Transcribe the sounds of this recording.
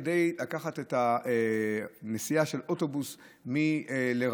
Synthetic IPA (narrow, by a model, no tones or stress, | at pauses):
de̞jlakaχate̞taenesijaʃe̞lʔo̞to̞bus | mileʁ